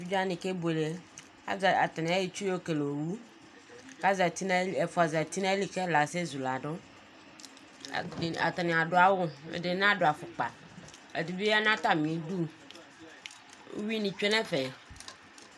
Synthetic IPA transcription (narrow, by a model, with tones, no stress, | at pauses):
i˦d͡ʒa˦nɪ̃˨ke˦be˨le˨ | a̰˦za˨t̪ɪ˨nɪ̃˨a˦ji˨t͡ʃu˦o˦ke˨lo˨ɾu˦ | ka˦za˨t̪i˦na˦˨e˨fʊ˨a˨za˨t̪i˦nã˦li˦kɛ˦la˨se˦zu˨la˨dʊ˦˨ | a̰˨t̪ɪ˨nɪ̃˨a˨dʊ˨˦a˦wʊ˦ḛ˨dɪ˨nã˦dʊ˨a˨fʊ˨k͡pa˨ | ḛ˨di˨bi˦a˦nã˦t̪a˨mĩ˨˦du˦ | wi˦nĩ˨t͡ʃᶣe˦nɛ̃˦fe˨